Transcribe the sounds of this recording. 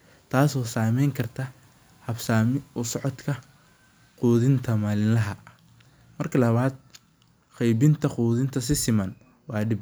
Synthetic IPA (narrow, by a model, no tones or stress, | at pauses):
t̪ʰaːsɔːsaːmɛjŋkʰɐrt̪ʰɐ | hɐbsaːmɪʊsɔʕɔd̪kʰɐ | quːðɪnt̪ʰɐmaːlɪnlɐɦɐ | mɐrkʰɐlɐβaːd̪̚ | qɛjbɪnt̪ʰɐquːðɪnt̪ʰɐs̬ɪsɪmɐn | wɑːɖɪb